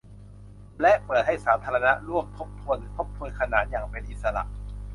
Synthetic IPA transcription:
lɛ˦˥ʔpɤː˨˩t̪̚ha˥˩jsaː˩˦˥t̪ʰaː˧ɾa˧na˦˥ʔɾu˥˩əmt̪ʰo˦˥p̚t̪ʰu˧ənt̪ʰo˦˥p̚t̪ʰu˧nkʰa˧naː˨˩t̪̚jaː˨˩ŋpe˧nʔi˨˩t̪̚sa˧la̰˨˩ʔ

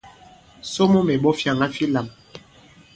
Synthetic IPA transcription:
so˦mo˦me˨ɓɔ˦fja˨ŋɡa˦fi˦la˨m

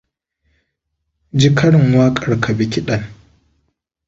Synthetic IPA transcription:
d͡ʒi˦kʰɐ˦ɽɪ˨ŋwaː˦kʼɐ˨ɽkʰa˨bɪ˨kʲi˦ɗɐ˨n

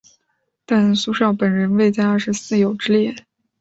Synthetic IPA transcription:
t̪a˥˩nsu˥ʂjɑ˥˩ʊpə˨˩nɻə˧˥nwe˥˩ɪt͡ɕja˧ə˥˧ʂ̩˧˥sɹ̩˥˩jo˨˩ʊʈ͡ʂɻ̩˥ljɛ˥˩

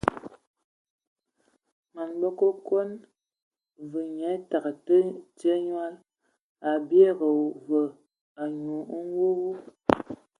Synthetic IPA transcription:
ma˨nbə˦ko˦kwo˦n | və˨ɲɛ˨˦ta˨ɣə˨tə˦te˦ɲwa˦l | a˨bje˦ɣə˨və˨ | a˨ɲu˨˦ŋ˦wo˦ɣu˦

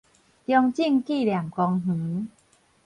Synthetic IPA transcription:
t̪jɔ˧ŋt͡ɕi˥˧ŋki˥˧˨lja˨˩mkɔ˧ŋɦ̩˨˦

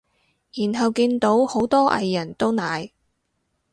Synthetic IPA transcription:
jiː˨˩nɦɐ˨wkiː˧nt̪o˨˥who˨˥wt̪ɔː˥ʔɐ̰˨˧jːɐ˨˩nt̪o˥wnaː˨j

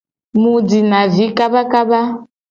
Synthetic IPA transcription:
mu˨d͡zi˨na˨vi˨˦ka˦ba˦ka˦ba˦

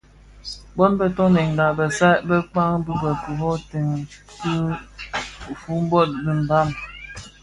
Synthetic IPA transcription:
bɔ˦nbə˦tɔ˦nɛ˨ŋ˨ɡa˨bə˨sa˦bə˦k͡pa˦ŋ˦bi˦bə˨ku˨ɦɔ˦te˨ŋ | ki˦ | fu˦m̩˦bɔ˦˨t̚di˦m˨ba˦˨m

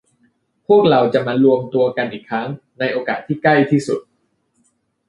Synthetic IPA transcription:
pʰu˥˩ək̚ɾa˧wt͡ɕa˨˩maː˧lu˧əmt̪u˧əɐka˧nʔiː˨˩kʰːɾa˦˥ŋ | na˧jʔoː˧kaː˨˩t̪ʰːiː˥˩kla˥˩jt̪ʰiː˥˩sṵ˨˩t̪̚

